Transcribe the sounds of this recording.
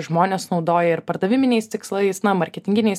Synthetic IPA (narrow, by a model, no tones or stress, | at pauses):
ʒmoːnʲeːsnɒʊd̪oːjɛɪɾpɐɾd̪ɐʋʲɪmʲɪnʲɛɪst̪ʲɪkslˠɐɪsnɐmɐɾʲkʲɛt̪ʲɪŋʲɡʲɪnʲɛɪs